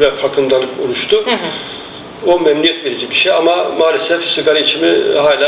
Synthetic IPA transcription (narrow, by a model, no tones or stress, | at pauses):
vɛfʰakʰɯnd̪alˠɯkolˠuʃt̪ʰʊ | omɛmlʲijɛt̪ve̞ɾid͡ʒibiʃejamamaːlʲɛsɛfsɯɡaɾait͡ʃʰimiɦaːlʲaː